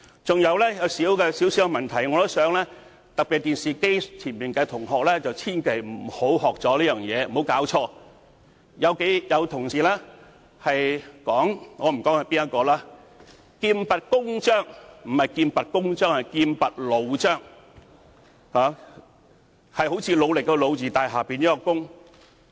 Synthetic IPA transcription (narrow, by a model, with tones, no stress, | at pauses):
t͡sʊ˨ŋjɐ˨˧wlɛː˥jɐ˨˧wsiː˨˥wkɛː˧siː˨˥wsiː˨˥wɡɛ˧mɐ˨nt̪ʰɐ˨˩jŋɔː˨˧t̪o˥sœː˨˥ŋlɛː˥ | t̪ɐ˨k̚pi˨t̚t̪iː˨nsiː˨ke˥jt͡sʰiː˨˩npiː˨˩nkɛː˧t̪ʰʊ˨˩ŋɦɔː˨k̚lɛː˥t͡sɐ˨wt͡sʰiː˥nkʰe˨˩jm̩˨˩ho˨˥whɔː˨k̚t͡sɔː˨˧˥liː˥jœː˨ŋjɛː˨˧m̩˨o˨˥wkaː˨˥wt͡ʃʰɔː˧ | jɐ˨˧wke˨˥jjɐ˨˧wt̪ʰʊ˨˩ŋsiː˨laː˥ | hɐ˨jkɔː˨˥ŋŋɔː˨˧m̩˨˩kɔː˨˥ŋhɐ˨˩piː˥njɐ˥t̚kːɔː˧laː˥ | kiː˧mpɐ˨t̚kʊ˥ŋt͡ʃœː˥˩ŋm̩˨˩hɐ˨jkiː˧npɐ˨t̚kʊ˥ŋt͡ʃœː˥ŋhɐ˨˩jkiː˧npɐ˨t̚lo˨˧wt͡ʃœː˥˩ŋ | haː˨˦ | hɐ˨jho˨˥wt͡sʰiː˧lo˨˧wlɪ˨kːɛ˧lo˨˧wt͡siː˨t̪aː˨jɦaː˨˩piː˨njiː˥kɔ˧kʊ˥ŋ